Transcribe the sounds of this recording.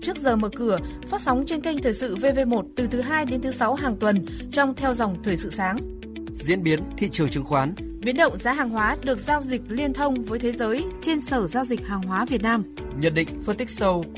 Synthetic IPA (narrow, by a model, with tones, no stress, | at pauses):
t͡ɕɨ˦˥ək̚zəː˨˩məː˨˩kɨ˨˧˩əfaː˦˥t̚sa˨˦wŋ͡mt͡ɕe˧nka˧jŋ̟t̪ʰəː˨˩jsɨ̰˧˨ve˧ve˧mo˨˩t̚t̪ɨ˨˩t̪ʰɨ˨˦ɦaː˧jɗe˨˦nt̪ʰɨ˨˦sa˨˦wɦaː˨˩ŋt̪wə˨˩n | t͡ɕɔ˧wŋ͡mt̪ʰɛ˧wza˨˩wŋ͡mt̪ʰəː˨˩jsɨ̰˧˨saː˨˦ŋ | zḭ˧˥ənɓi˨˦ənt̪ʰḭ˧˨t͡ɕɨ˨˩əŋt͡ɕɨ˨˩˦ŋxwaː˨˦n | ɓi˨˦ənɗə̰˧˨wŋ͡mza̰ː˨˦ɦaː˨˩ŋɦwaː˨˦ɗɨ˨˩ək̚zaː˧wzï˨˩k̟̚li˧ənt̪ʰə˧wŋ͡mvəː˨˦jt̪ʰe˨˦zəː˨˦jt͡ɕe˧nsəː˧˩zaː˧wzi˨˩k̟̚haː˨˩ŋɦwaː˨˦vi˨˩ət̚naː˧m | ɲə̰˨˩n̚ɗḭ̈˧˨ŋ̟fə˧nt̪ï˦˥k̚sə˧w